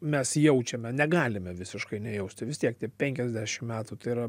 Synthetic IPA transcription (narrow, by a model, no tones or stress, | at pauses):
mʲɛsjɛʊt͡ʃʲɛmʲɛnʲɛɡɑːlʲɪmʲɛʋʲɪsʲɪʃkɐɪnʲɛjɛʊsʲt̪ʲɪʋʲɪst̪ʲiɛkt̪ʲiɛpʲɛŋʲkʲɛzʲd̪ʲæʃʲɪmmʲæːt̪ut̪ɐɪiɾɐ